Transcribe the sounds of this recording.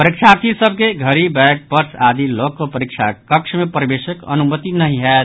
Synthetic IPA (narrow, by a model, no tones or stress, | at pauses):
pəɾikt͡ʃʰaɾt̪ʰisəbʱkeɡʱəɾibɛk̚pəɾsʰad̪ilokːopəɾik̚t͡ʃʰakəkt͡ʃʰmepəɾibesəkə̰numət̪inəɦĩɦɛ